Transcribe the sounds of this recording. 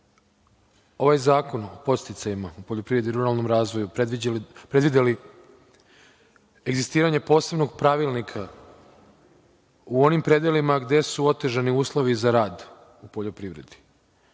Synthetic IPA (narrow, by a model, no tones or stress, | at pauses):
o̞ʋajzaːko̞no̞po̞t̪st̪it̪sajimaupoʎopɾiʋɾed̪iɾuɾalˠno̞mɾaːzʋo̞ju | pɾe̞d̪ʋid̪eli | e̞ɡzist̪iːɾaɲe̞po̞ːse̞bno̞ɡpɾaʋilˠnikʰa | uo̞nimpɾe̞d̪jelimaɡd̪e̞suo̞t̪e̞ʒaniuːslˠo̞ʋizaɾaːd̪ | upoʎo̞pɾiʋɾe̞̰d̪i̥